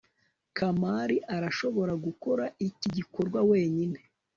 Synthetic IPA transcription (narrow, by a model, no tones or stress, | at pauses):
kʰamaːɾiʔaɾaʃo̞βo̞ɾaɡuko̞ɾaʔiciɟiko̞ɾɡwawe̞ːɲine̞